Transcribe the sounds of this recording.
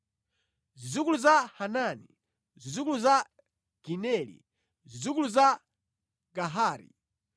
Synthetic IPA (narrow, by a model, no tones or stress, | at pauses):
zizukuluzahanani | zizukuluza | ɡ̥inɛlḭ | zizuk̬uluza | ɡaɦaːɾḭ